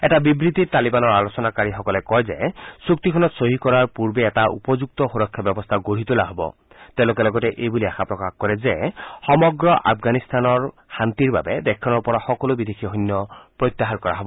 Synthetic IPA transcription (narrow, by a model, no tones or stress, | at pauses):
ɛtabibɹit̪it̪alibanɔɹalosɔnakaɹixɔkɔlɛkɔjzesuk̚t̪ikʰɔnɔt̪soɦikɔɹaɹpuɹbeːtaʔṵpɔzuk̚t̪ɔxuɾɔkʰːjabjɔbɔst̪ʰaɡoɽit̪ulaɦɔbɔ̰ | t̪ɛʊ̃lok̬ɛlɔɡɔtɛʔejbuliaxʰapɹɔkaxkɔɹɛzexɔmɔɡɹɔʔa̰pʰɡanist̪anɔɹ | hant̪iɹba̰bed̪ɛkʰːanɔpɔɹaxɔkɔlobid̪ekʰiɔɦɔnːjɔpɹojt̪ːjaɦankɔɹa̰ɦɔbɔ